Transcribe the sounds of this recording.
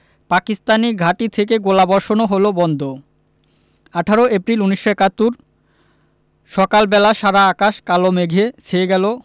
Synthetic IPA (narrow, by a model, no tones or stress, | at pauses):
pakist̪aniɡʱaʈit̪ʰek̬eɡolabɔɾʃonoɦolobɔnd̪ʱo | aʈʰaɾoʔepɾiluniʃːoɛkat̪ːuɾ | ʃɔkalbɛlaʃaɾaakaʃkalomeɡʱet͡ɕʰeeɡɛlo